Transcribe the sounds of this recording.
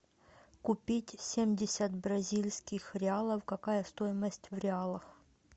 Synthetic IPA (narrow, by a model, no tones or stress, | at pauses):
kʊpʲitʲsʲemʲdʲɪsʲət̪̚bɾɐzʲilʲsʲkʲɪxɾʲɪalˠəfkɐkajəst̪ojɪməsʲtʲvɾʲɪalˠəx